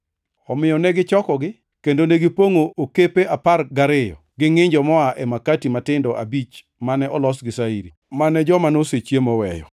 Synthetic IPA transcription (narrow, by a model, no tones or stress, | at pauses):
ɔmɪjɔnɛɡɪt͡ʃɔkɔɡɪ | kendoneɡɪpoŋoʔokepeʔaparɡaɾɪjɔ̰ɡɪŋɪɲd͡ʒɔmɔaʔɛmakatimatɪndɔʔa̰bit͡ʃ | manɛʔɔlɔsɡɪsaiɾi | manɛd͡ʒɔmanoset͡ʃjemɔwɛjɔ̰